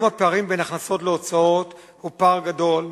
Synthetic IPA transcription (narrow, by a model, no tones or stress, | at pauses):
mhapeaʁimbenaχnaso̞tleot͡sao̞t | hupaʁɡado̞l